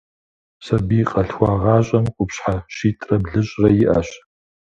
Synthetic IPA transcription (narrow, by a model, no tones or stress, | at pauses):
sɐbiːqʼɐɬwʷɑːʁɑːɕʼɐmqʷʼʊpɕħaʃiːtʼrɐbɮɨɕʼrɐjɪʔɐɕ